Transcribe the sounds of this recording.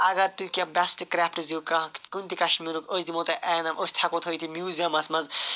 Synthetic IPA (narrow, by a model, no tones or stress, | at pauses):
ɐɡɐɾt̪ukʲãbɐsʈkɾapʰʈzukɐkunt̪ikɐʃmiːɾukosʲd̪imot̪ɐʔɛːnɐmʔosʲt̪ʰɐkot̪ʰojt̪ʰimjuːziɐmɐsmɐz